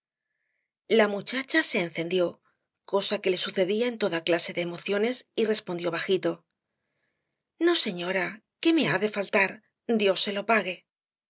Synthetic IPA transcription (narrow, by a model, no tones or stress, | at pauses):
lamut͡ʃat͡ʃase̞ːnθe̞nd̪jo̞ | ko̞sake̞le̞suθe̞ðiaent̪o̞ðaklase̞ðe̞ːmo̞θjo̞ne̞sire̞spo̞nd̪jo̞βaxit̪o̞ | no̞se̞ɲo̞ɾa | ke̞me̞aðe̞falt̪aɾ | d̪jo̞sːe̞lo̞paɣe̞